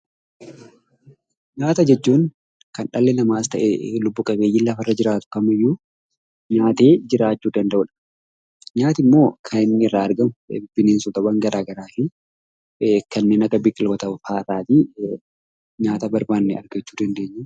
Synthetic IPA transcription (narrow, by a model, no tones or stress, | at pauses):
ɲaːt̪ɐd͡ʒɛt͡ʃːuːŋ | kɐnᶑɐlːɛnɐmaːst̪ɐʔelʊbːʊkʼɐbe̞ːjːɪlːɐfɐrːɐd͡ʒɪɾaːt̪ʊ̥kɐmɪjːuː | ɲaːt̪e̞ːd͡ʒɪɾaːt͡ʃːuːd̪ɐnd̪ɐʔʊᶑɐ̥ | ɲaːt̪ɪmːo̞ːkʰɐnɪnnɪɪrːaːɐɾɡɐmʊ̰bɪbɪneːnsʊt̪ɐbɐŋɡɐɾaːɡɐɾaːfɪ | kɐnːeːnɐkɐbɪkʼɪlbɐt̪ɐfaːrːaːt̪i | ɲaːt̪ɐbɐɾbaːnːɛɐ̰ɾɡɐt͡ʃːuːd̪ɐnd̪e̞ːɲːɐ